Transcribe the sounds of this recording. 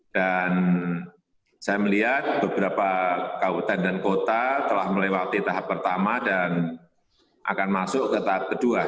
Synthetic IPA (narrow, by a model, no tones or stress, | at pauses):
d̥an | sajaməliɦat̪̚bəbəɾapakawut̪andankot̪at̪əlahməlewat̪it̪aɦapːərt̪amadan | ʔa̰kanmasʊʔkət̪aɦap̚kədua